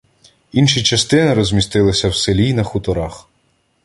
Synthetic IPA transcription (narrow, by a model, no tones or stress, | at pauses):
inʃit͡ʃɐst̪ɪnɪɾɔzʲmʲist̪ɪlˠɪsʲɐwselʲinɐxʊt̪ɔɾɑx